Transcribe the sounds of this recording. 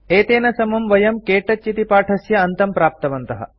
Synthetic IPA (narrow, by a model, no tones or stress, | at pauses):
eːt̪eːnɐsɐmɐmʋɐjɐmkeːʈɐt͡ʃːit̪ipaːʈʰɐsjɐɐnt̪ɐmpɾaːp̚t̪ɐʋɐnt̪ɐɦɐ̰